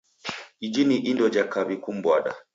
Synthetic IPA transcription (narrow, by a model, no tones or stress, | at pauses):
id͡ʒiniʔindɔd͡ʒakabikum̩bwaɗa̰